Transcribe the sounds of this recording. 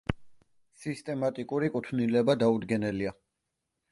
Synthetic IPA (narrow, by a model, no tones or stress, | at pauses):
sist̪ʼɛmat̪ʼikʼuɾikʼut̪ʰnilɛbad̪aud̪ɡɛnɛlia